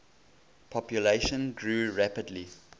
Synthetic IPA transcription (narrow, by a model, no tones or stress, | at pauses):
pʰɔpjuleɪʃə̃nɡɹuːɹæpədli